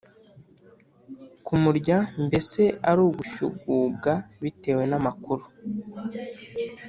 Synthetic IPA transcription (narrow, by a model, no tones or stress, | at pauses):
kumuɾɟambe̞se̞aɾuːɡuʃṵɡuːɡaβite̞ːwe̞namakuɾu